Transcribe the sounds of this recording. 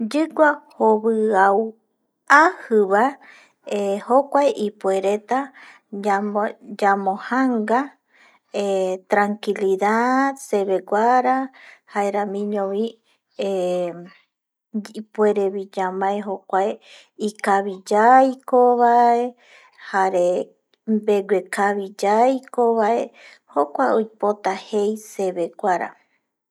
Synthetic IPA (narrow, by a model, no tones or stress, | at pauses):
d͡ʒɨɡʷahoβɨaw | ahɨβae | ehokʷaeʔipweɾet̪a | ad͡ʒamõhaŋɡa | et̪ɾaŋkiliðad̪se̞βeɡʷaɾahaeɾamĩɲõβi | e | ipueɾeβid͡ʒamãeɦokʷae | ikaβid͡ʒajkoβae | haɾe̞ | mbe̞ɡʷekaβid͡ʒajkoβae̞ | hokʷaojpot̪ahe̞jse̞βeɡʷaɾa̰